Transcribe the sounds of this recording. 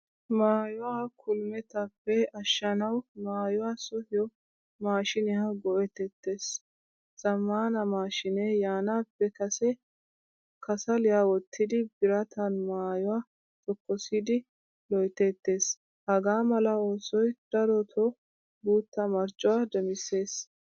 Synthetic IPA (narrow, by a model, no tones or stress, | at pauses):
maːjʊwakʰʊlmɛt̪ɐpːɛɐʃːɐnɐwmaːjʊwaːsɔhɪjɔ | maːʃɪnɪɐɡɔʔɛt̪ɛt̪ːe̞ːs | z̥ɐmːaːnɐmaːʃɪneːjaːnapːɛkɐsɛ | kʰɐsɐlɪjaːwɔt̪ːɪd̪ɪbɪɾɐt̪ʰɐnmaːjʊwaː | t̪ɔkːɔsɪd̪ɪ | lɔjt̪ːet̪ːe̞ːs | hɐɡaːmɐlɐoːsɔjd̪̥ɐɾɔt̪ʰɔ | buːt̪ːɐmɐɾt͡ʃʼːʊwaːd̪ɛmɪse̞ːs